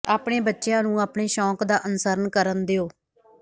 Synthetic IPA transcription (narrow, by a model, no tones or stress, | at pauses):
aːpɳeːbətːʃejãːnũːaːpɳeːʃɔ̃ːkd̪aːʔənʊsəɾənkəɾənd̪eːoː